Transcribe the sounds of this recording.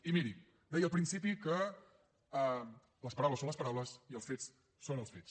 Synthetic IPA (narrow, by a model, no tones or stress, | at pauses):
imiɾi | d̪ɛjəlˠpɾinsipikə | ləspəɾawləsonəs̬pəɾawləsiəlˠsfet͡s | sonəlˠsfes